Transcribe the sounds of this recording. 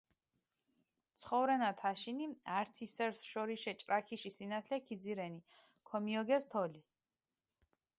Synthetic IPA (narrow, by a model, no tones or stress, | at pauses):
t̪sʰχɔvɾɛnat̪ʰaʃiniaɾt̪ʰisɛɾsʃɔɾiʃɛt͡ʃʼɾakʰiʃisinat̪ʰlɛkʰid̪ziɾɛni | kʰɔmiɔɡɛst̪ʰɔli